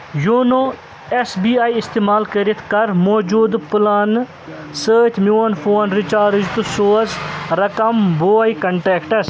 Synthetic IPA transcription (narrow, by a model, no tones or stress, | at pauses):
juːnoː | esbiːaːiɪst̪eːmaːlkɐɾit̪ʰkɐɾmoːd͡ʒuːd̪pʊlaːn | səːt̪ʰmjuːɐnfʰoːnɾit͡ʃaːɾd͡ʒt̪usoːsɾɐkɐmboːikɐɳʈeːkʈɐs